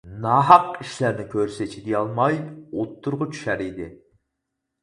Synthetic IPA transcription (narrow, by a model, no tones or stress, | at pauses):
nɑɦɑqiʃlæɾnɪkʲʰøɾsɛt͡ʃʰid̪ijɑlˠmɑjot̪ʰːʊɾʁʊt͡ʃʰy̥ʃæɾid̪ɪ